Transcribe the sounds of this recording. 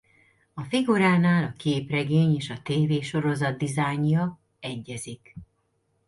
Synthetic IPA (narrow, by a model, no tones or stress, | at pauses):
ɒfiɡuɾaːnaːlɒkeːprɛɡeːɲeːʃɒt̪eːveːʃo̞ɾo̞zɒd̪ːizaːjɲjɒ | ɛɟːɛzik